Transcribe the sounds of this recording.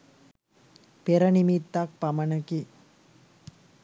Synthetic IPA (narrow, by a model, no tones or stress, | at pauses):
peɾənimit̪ːak̚pamənəki